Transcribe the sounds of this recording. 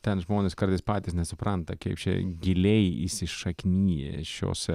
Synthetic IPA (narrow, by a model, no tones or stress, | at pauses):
t̪ʲɛnʒmoːnʲeskɐɾt̪ɐɪspɑːt̪ʲɪsnʲɛsʊpɾɐnt̪ɐkɛɪpt͡ʃʲɛ̰ɡʲɪlʲɛɪḭsʲɪʃɐkʲnʲiːjɛ̰ʃʲo̰ːs